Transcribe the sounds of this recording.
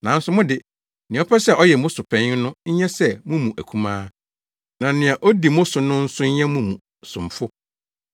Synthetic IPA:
nã˨˦n̩˦sʊ˨mʊ̃˦dɪ˨ | nɪ̃˨˦ɔ˦pʰɛ˦sɛ˦˨ʔɔ˦jɛ˨mʊ̃˦sʊ˨pʰɛ̃˦ɲ˦nʊ̃˦ɲ̩˦ɲɛ̃˦sɛ˦mũ˦mũ˨ʔæ˨kʰũ˦mãː˦ | nã˨nɪ̃˨a˨ʔɔ˦di˨mʊ̃˦sʊ˨nʊ̃˦n̩˦sʊ˦ɲ̩˦ɲɛ̃˦mũ˦mũ˨ | sʊ̰̃˨m˨fʊ˦

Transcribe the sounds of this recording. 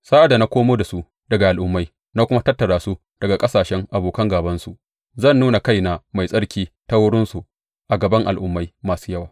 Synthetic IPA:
saː˦ʔa˨da˨na˦kʷoː˦moː˦da˨su˦ | dɐ˨ɡa˨ʔa˨lʔʊ˦mːa˦j | na˦kʷʊ˦ma˦tɐ˦tːɐ˨ɾaː˨su˦ | d̥ɐ˨ɡa˨kʼɐ˦saː˨ʃɛ˦ŋʔa˨boː˨kɐ˦ŋɡaː˨bɐ˦nsu˨ | zɐ˦˨nːuː˦na˨ka˦jna˨ma˨jsʼɐ˦ɽkʲiː˦ta˦wʊ˦ɽɪ˦nsu˨ | ʔa˨ɡɐ˨bɐ˦ŋʔa̰˨lʔʊ˦mːa˦jmaː˨su̥ː˦jɐ˦waː˨

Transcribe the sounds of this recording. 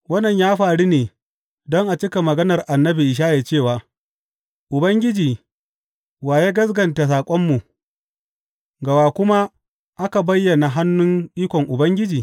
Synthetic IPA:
wɐ˦nːɐ˨ɲjaː˦ɸaː˨ɽiː˦neː˨ | dɔ˦ŋʔa˨t͡ʃɪ˦ka˨mɐ˨ɡɐ˦nɐ˨rʔa˨nːɐ˦bi˨ʔɪ˨ʃ̬aː˦jeː˨t͡ʃeː˦˨waː˨ | ʔʊ˨bɐ˦ŋɡʲɪ˦d͡ʒiː˨ | waː˨je˦ɡɐ˦s̬ɡɐ˨nta˨s̬aː˨kʷʼɔ˦mːu˨ | ɡɐ˨waː˨kʷʊ˦ma˦ | ʔa˦ka˨bɐ˦jːɐ˨na˨ɦa˦nːʊ˦ŋʔiː˦kʷɔ˨ŋʔʊ˨bɐ˦ŋɡʲɪ˦d͡ʒiː˨

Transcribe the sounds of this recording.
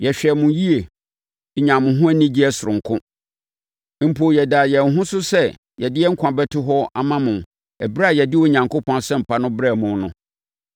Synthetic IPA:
jɛ˨ɕᶣɛ˨mʊ̃˨ji˦e˨ | ɲã˨mʊ̃˨ɦʊ̃˦æ˦nĩ˦d͡ʑi˦ɛ˦sʊ˨ɾʊ̃˨ŋ˨kʰʊ̃˦ | m̩˨pʰo˨jɛ˨da˨jɛ˨n˨ɦʊ̃˦sʊ˦sɛ˦ | jɛ˨dɪ˦jɛ˦ŋ̩˦kʷʰã˨bɛ˦tʰɪ˦ɦɔ˦a˦mã˦mʊ̃˨ | ɛ˨bɾa˦a˨jɛ˨dɪ˦wɔ˦ɲã˨ŋko˦pʰɔ̃˦nsɛ̃˦m̩˨pʰa˦nʊ̃˦bɾɛ˦˨mʊ̃˨˦nʊ̃˦

